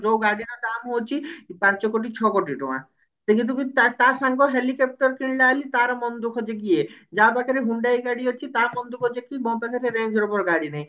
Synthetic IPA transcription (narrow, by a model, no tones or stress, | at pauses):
d͡ʒowɡaɽinad̪amɦowt͡ʃʰipãnt͡ʃɔkoʈ̬it͡ʃʰɔkoʈiʈṵã̰ | t̪kĩnt̪̬ukit̪at̪asaŋɡɔɦelikep̚ʈɔɾkɾiɳlaːlit̪aɾɔmɔnd̪ukʰɔd͡ʒeɡ̬ied͡ʒapakʰaɾeɦuɳɖajɡaɽiɔt͡ʃʰit̪aɾmɔnd̪ukʰɔd͡ʒekimɔpakʰaɾeɾend͡ʒʱɔɾɔpɔɾɡaɽinaj̃